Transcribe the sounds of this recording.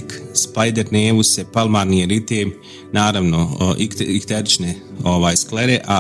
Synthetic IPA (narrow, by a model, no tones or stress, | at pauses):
kspajd̪eɾneːʋusepalˠmaːɾnieɾit̪eːm | naːɾaʋno̞ | ikt̪eɾit͡ʃne | oʋaːjskleɾeʔa